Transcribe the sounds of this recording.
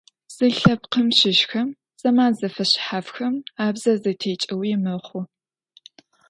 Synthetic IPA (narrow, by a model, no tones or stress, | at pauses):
z̥ɨɬɐpqəmɕɪʃxɐm | sʼɐmaːnzɐfɐɕħafxɐmaːbzɐzɨtʰeːt͡ʃʼɐwijmɐχʷʊ